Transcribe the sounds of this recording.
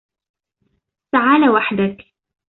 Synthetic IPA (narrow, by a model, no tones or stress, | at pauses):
saʕaːlawaħd̪ak